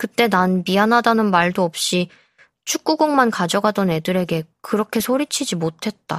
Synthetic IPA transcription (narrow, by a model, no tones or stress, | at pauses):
kɯt͈e̞nanpianɦadanɯnmaɭdoʌp̚ɕ͈i | t͡ɕʰuk̚k͈uɡoŋmankad͡ʑʌɡadʌne̞dɯɾe̞ɡe̞kɯɾʌkʰe̞sʰoɾit͡ɕʰid͡ʑimotʰe̞t̚t͈a